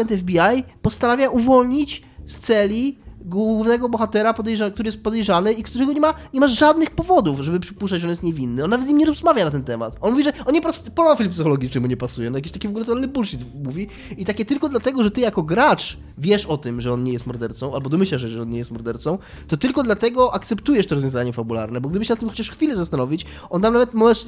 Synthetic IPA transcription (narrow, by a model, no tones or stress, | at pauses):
ɛnt̪ɛvbʲiajpɔst̪anavʲjaʔuvɔlɲit͡ɕ | st̪sɛlʲiɡwuvnɛɡɔbɔxat̪ɛɾapɔd̪ɛjʐakt̪uɾɘjɛst̪pɔd̪ɛjʐanɨikt̪uɾɛɡɔɲɛmaɲɛmaʐad̪nɘxpɔvɔd̪ufʐɛbɘpʂɘ̥puʂt͡ʂat͡ɕd͡ʑɔnjɛst̪ɲevʲinːɘɔnːavɛt̪ɲimɲɛɾɔzmavʲjanat̪̬ɛnt̪ɛma̰t̪ɔnmuvʲiʐɛɔnɲɛpɾɔspɔd̪afʲilmpsɨxɔlɔɡʲit͡ʂnɘmuɲɛpasujɛnɔjak̬ʲeɕt̪akʲivɔɡulɛt̪ɛnlːɘbulʂit̪muvʲi | it̪akʲɛt̪ɘlkɔd̪lat̪ɛɡɔʐɛt̪ɘjakɔɡɾat͡ʂ | vʲjɛʂɔt̪ɘmʐɛɔnɲɛjɛst̪mɔɾd̪ɛɾt̪sɔ̃w̃ʔalbɔd̪ɔmɘɕlaʂʐɛɔnɲejɛst̪mɔɾd̪ɛɾt̪sɔ̃w̃ | t̪ɔt̪ɘlkɔd̪lat̪ɛɡɔʔakt̪sɛpt̪ujɛʂt̪ɔɾɔzvʲjɔ̃zaɲɛfabulaɾnɛbɔɡ̚d̪ɘbɘɕ̬ɛnat̪ːɘmxɔ̥t͡ɕaʂxfʲilɛzast̪anɔvʲit͡ɕ | ɔnt̪ːamnavɛt̪mɔɛʂ